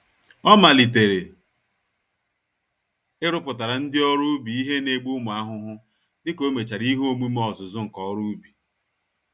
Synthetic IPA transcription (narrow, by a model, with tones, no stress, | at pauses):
ɔ˦ma˨li˨t̬e˨ɾe˨ | ɪ˦ɾʊ˦pʊ˨ta˨ɾa˨n̩˦dɪ˦ɔ˦ɾʊ˦bi˨i˦ɦe˦ne˦ɡ͡bu˦ʊ˦mʊ˨a˦ɦʊ˦ɦʊ˦ | dɪ˦ko˦me˨t͡ʃa˨ɾi˦ɦo˦mu˦m˦ɔ˨zʊ˨zʊ˦ŋ̩˨kɔ˨˦ɾu˦bi˨